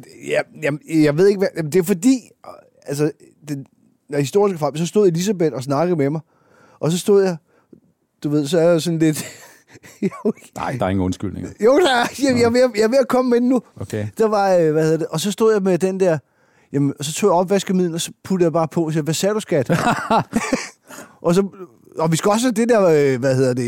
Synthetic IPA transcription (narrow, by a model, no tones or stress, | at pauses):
jæjæmjɑ̈ɪʋe̝ð̞̰ˠe̝ɡ̥ʋæjæmnd̥e̝æɐfɒ̽d̥ḭː | æls̬ə | d̥en | hisd̥o̝ɐ̰isɡ̥əfɑl̰bsɒ̽sd̥o̝ð̰ˠe̝lis̬æb̥ed̥ɒ̽snɑ̈ɡ̥ð̩ˠmemɑ̈ɪ | ʔɒ̽s̬ɒ̽sd̥o̝ð̰ˠjɑ̈ | d̥uʋe̝ð̰ˠsɒ̽æɐjasɒ̽n̩le̝d̥ | o | nɑɪ̰d̥ɐe̝ŋ̩ɔnsɡ̥yl̰nḛŋjoʊd̥ɑjjaʋejɑʋe̝ækʰɒ̽məmednːuokʰed̥ɑʋɑ̈øʋæhe̝ðˠɐd̥eʔɒ̽sɒ̽sd̥o̝ð̰ˠjɑ̈ɪmed̥end̥ɛɐ̰ | jæmənɒsɒ̽t͡sʰo̝̰ːjɑɒ̽b̥ʋæsɡ̥əmið̰ˠln̩ɒ̽sɒ̽pʰud̥ðˠjɑb̥ɑ̈ːpʰɒ̽ɒsiʋæsæɐɾ̥usɡ̥æd̥ | ʔɒ̽sɒ̽ | ɒ̽ʋisɡ̥æɒ̽s̬æd̥e̝d̥eɐ̰øʋæhe̝ð̞̰ˠɐd̥e̝